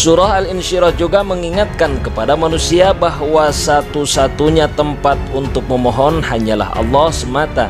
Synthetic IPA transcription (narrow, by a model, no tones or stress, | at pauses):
suɾaɦalɪnʃiɾɔhd͡ʒuɡaməŋiŋat̪̚kankəpadamanusiabaɦwasat̪usat̪uɲat̪əmpat̪̚unt̪ʊk̚məmɔɦɔnhaɲala̰hʔɑ̰lːɔhsəmat̪a̰